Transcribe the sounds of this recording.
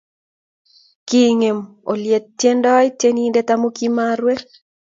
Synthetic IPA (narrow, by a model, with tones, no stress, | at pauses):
ki˦ŋe˨m | o˨lje˨t̚ːje˦ndɔ˦i˦tje˦ni˦ndɛ˦t̪a˦mo˦ki˦ma˦ɾwe˦